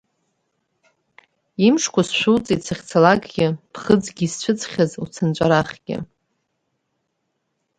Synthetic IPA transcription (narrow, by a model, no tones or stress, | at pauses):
imʂkʷasʃᶣʷuwt͡sʼitsʰaχʲt͡sʰalaɡʼɡʲɪpʰχəd͡zɡʲist͡ɕʷʰɨt͡sʰʼχʲazut͡sʰɨnt͡ʃʷʼaɾaχʲɡʲɪ̰